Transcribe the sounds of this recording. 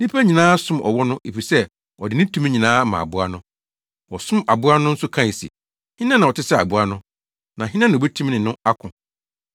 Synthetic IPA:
nĩ˦pʰæ˦ɲĩ˨nãː˦sʊ̃˦mʔɔ̰˨wɔ˦nʊ̃˦e˨fi˨sɛ˦ | ɔ˨dɪ˨nɪ̃˦tʰũ˦m˦ɲĩ˨nãː˦mã̰˨a̰˨bʊ˦a˦nʊ̃˦ | wɔ˨sʊ̃˦ma˨bʊ˨˦a˦nʊ̃˦n̩˦sʊ˦kʰã˦˨sḭ˨ | hɪ̃˦nã˦nã˨ɔ˨tɪ˦sɛ˦a˨bʊ˨a˦nʊ̃˦ | nã˨ɦɪ˦nã˦nã˨ɛ˦tʰũ˦mnɪ̃˨nʊ̃˦a˦kʰʊ̃˨

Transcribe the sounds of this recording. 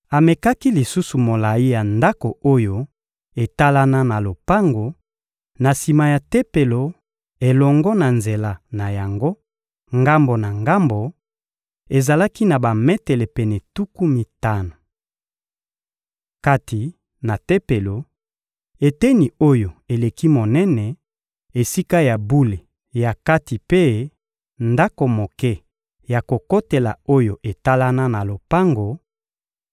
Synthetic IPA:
a˨me˨ka˦ki˦li˨su˦su˨mo˨la˨ji˦ja˨nda˦ko˨o˦jo˦ | e˨ta˦la˦na˦na˨lo˨pa˦ŋɡo˨ | na˨si˨ma˨ja˨te˦pe˨lo˨ | e˨lɔ˨ŋɡɔ˦na˨nze˨la˨na˨ja˨ŋɡo˦ | ŋɡa˦mbo˨na˨ŋɡa˦mbo˨ | e˨za˨la˦ki˦na˨ba˨mɛ˦te˨le˨pɛ˨nɛ˨tu˦ku˦mi˨ta˦na˨ | ka˦ti˨ | na˨te˦pe˨lo˨ | e˨te˦ni˨o˦jo˨e˨le˨ki˦mo˨nɛ˦nɛ˨ | e˨si˦ka˦ja˨bu˦le˨ | ja˨ka˦ti˨pe˦ | nda˦ko˨mo˨kɛ˦ | ja˨ko˨ko˦te˨la̰˨o˦jo˨ʔe˨ta˦la˦na˦na˨lo˨pa˦ŋɡo˨

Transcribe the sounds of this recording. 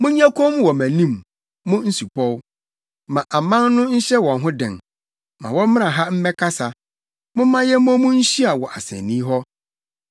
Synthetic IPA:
mʊ̃˦ɲ˦ã˦kʰo˦m˦wɔ˨mæ̃˨nĩ˦m | mʊ̃˦n̩˦su˨pʰɔ˦w | mã˨ʔa˨mã˦nnʊ̃˦ɲ̩˦ɕɛ˦wɔ̃˨nɦʊ̃˦dɪ̰̃˨n | mã˨wɔ˦m˦mɪ̃˦nã˨ɦa˦m̩˦mɛ̃˦kʰa˦sa˨ | mʊ̃˦mːã˦jɛ˦m˦ɔ̃˦mʊ̃˦n̩˦ɕi˦a˨wɔ˨ʔa˨sɛ̰̃˨nnːĩ˦ɦɔ˦

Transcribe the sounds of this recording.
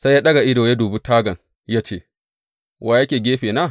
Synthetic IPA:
sa˦jja˦ɗɐ˦ɡa˨ʔɪ˦doː˨ja˦duː˨bu˦taː˦ɡɐ˨ŋ | ja˦t͡ʃeː˦˨ | wʔaː˨jɐ˦kʲeː˨ɡʲeː˦ɸeː˨naː˦

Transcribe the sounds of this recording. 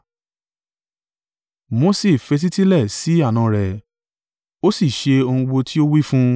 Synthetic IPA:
mo˨˦se˨fe˨˧t̬i˦ti˦lɛ˦˨si˨˦a˦˨nã˧ɾɛ˨ | o˦si˦˨ʃe˧o˧hũ˧ɡ͡bo˧ti˦o˦wi˦fũ˦

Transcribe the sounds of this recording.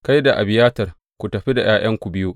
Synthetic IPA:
ka˦jda˨ʔa̰˨bɪ˨jaː˦tɐ˨r | kʷu˨tɐ˨ɸi˦da˨jaː˦j̰ɐ˦ŋkʷu˨bɪ˦ju˦ʔ

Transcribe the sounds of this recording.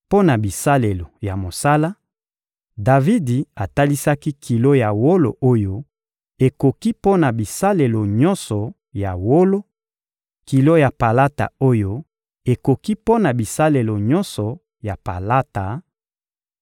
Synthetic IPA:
po˦na˨bi˨sa˦le˨lo˨ja˨mo˨sa˦la˦ | da˨vi˦di˨a˨ta˦li˦sa˦ki˦kʰi˨lo˦ja˨wo˦lo̰˨ʔo˦jo˦ | e˨ko˨ki˦po˦na˨bi˨sa˦le˨lo˨ɲɔ˦nsɔ˨ | ja˨wo˦lo˦ | ki˨lo˦ja˨pa˨la˦ta̰˨o˦jo˦ | e˨ko˨ki˦po˦na˨bi˨sa˦le˨lo˨ɲɔ˦nsɔ˨ | ja˨pa˨la˦ta˨

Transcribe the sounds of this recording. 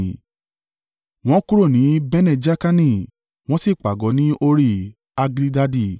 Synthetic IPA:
w̃ɔ̃˦ku˦ɾo˦˨nĩ˨˦bɛ˦nɛ̃˦˨d͡ʒa˦ka˦nĩ˦˨ | w̃ɔ̃˦si˦˨k͡pa˨ɡɔ˨˦nĩ˦ʔo˧ɾi˦˨ | a˧ɡli˦da˧di˦˨

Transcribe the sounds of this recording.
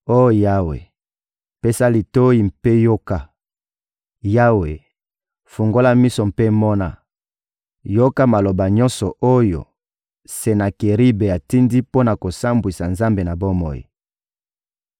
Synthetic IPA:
o˦˨ja˦wḛ˨ | pe˦sa˦li˨to˦ji˨mpe˦jo˦ka˦ | ja˦we˨ | fu˨ŋɡo˦la˦mi˦so˨mpe˦mɔ˦na˦ | jo˦ka˦ma˨lo˨ba˨ɲɔ̃˦nsɔ˨ʔo˦jo̰˨ | se˨na˨ke˨ʁi˦be˨a˨ti˦ndi˦po˦na˨ko˨sa˦mbwi˨sa˨nza˦mbe˨na˨bo˦mɔ̰˨jḭ˨

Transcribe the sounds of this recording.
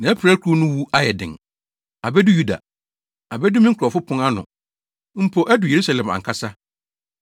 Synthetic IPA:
nã˨˦æ˦pʰɾa˦kʰo˦nʊ̃˦wu˦a˦jɛ˨dɪ̰̃˨ŋ | a˨bɛ˦dʊ˦ju˦da̰˨ | a˨bɛ˦dʊ˦mĩ˦ŋ̩˦kʰɔ˨fʊ˦pʰʊ̃˦ŋa˦nʊ̰̃˨ | m̩˦pʰo˨ʔæ˦dʊ˨je˨ɾu˦sa˨lɛ̃˨mã̰˨ŋkʰa˦sa˦

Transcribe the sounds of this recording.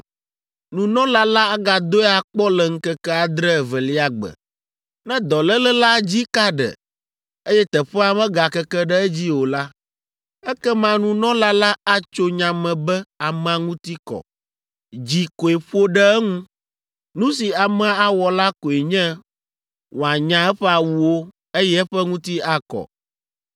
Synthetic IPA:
nũ˨nɔ̃˦la˦la˦a˦ɡa˨d̪o˦ɛ˦a˨k͡pɔ˦lɛ˨ŋ̩˦kɛ˦kɛ˦a˨d̪ɾɛ˦˨vɛ˨li˦a˨ɡ͡bə̰˨ | nɛ̃˦d̪ɔ˨lɛ˦lɛ˦la˦d͡ʑi˦ka˦ɖɛ̰˨ | e˦jɛ˦t̪ɛ˨ɸɛ˦a˦mɛ̃˦ɡa˨kɛ˦kɛ˦ɖɛ˦ɛ˦d͡ʑi˦wo˨la˦ | ɛ˦kɛ˦mã˨nũ˨nɔ̃˦la˦la˦a˦t͡ʃo˦ɲã˨mɛ̃˨bɛ˦a˨mɛ̃˨a˨ŋũ˦t̪i˦kɔ̰˨ | d͡ʑi˨ko˨e˨ɸo˦ɖɛ˦ɛ˦ŋũ˦ | nũ˦si˨a˨mɛ̃˦a˦wɔ˨la˦ko˨e˨ɲɛ̃˦ | wo˨a˨ɲã˨ɛ˦ɸɛ˦a˨wu˦wo˦ | e˦jɛ˦ɛ˦ɸɛ˦ŋũ˦t̪i˦a˦kɔ̰˨

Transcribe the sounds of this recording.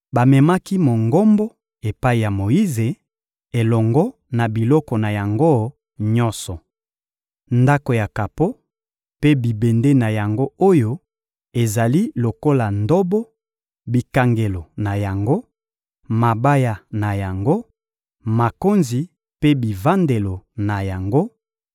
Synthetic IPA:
ba˨mɛ˨ma˦ki˦mo˨ŋɡo˦mbɔ˦ | e˨pa˦i˨ja˨mo˨i˦ze˨ | e˨lɔ˨ŋɡɔ˦ | na˨bi˨lɔ˦kɔ˨na˨ja˨ŋɡo˦ | ɲɔ̃˦sɔ˨ | nda˦ko˨ja˨ka˨po˦ | pe˦bi˨be˨nde˦na˨ja˨ŋɡo˦o˦jo˦ | e˨za˨li˦lo˨ko˦la˨ndɔ˦bɔ˦ | bi˨ka˨ŋɡe˨lo˨na˨ja˨ŋɡo˦ | ma˨ba˦ja˨na˨ja˨ŋɡo˦ | ma˨ko˦nzi˨ | pe˦bi˨va˦nde˨lo˨na˨ja˨ŋɡo˦

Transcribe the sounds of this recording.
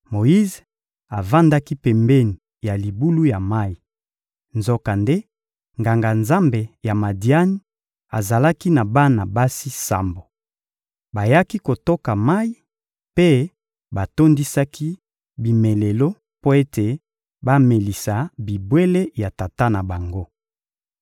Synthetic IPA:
mo˨ji˦z | a˨va˦nda˦ki˦pɛ˨mbɛ˦ni˨ | ja˨li˨bu˦lu˦ja˨ma˦ji˨ | nzo˦ka˨nde˦ | ŋɡa˨ŋɡa˨nza˦mbe˨ja˨ma˨di˨a˦ni˦ | a̰˨za˨la˦ki˦na˨ba˦na˨ba˦si˦sa̰˨mbo˨ | ba˨ja˦ki˦ko˨to˦ka˨ma˦i˦ | pe˦ | ba˨to˦ndi˦sa˦ki˦ | bi˨me˨le˨lo˦ | po˦e˦te˨ | ba˦me˨li˨sa˨bi˨bwe˦le˦ja˨ta˨ta˦na˨ba˨ŋɡo˦

